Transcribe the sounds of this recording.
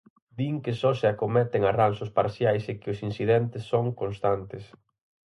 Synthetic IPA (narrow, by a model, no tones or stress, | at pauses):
d̪iŋkɪsɔsɪakomɛt̪ɪŋaransʊspa̰ɾθjajsekɪʊsinsiðɛnt̪ɪsːoŋkonst̪ant̪ɪs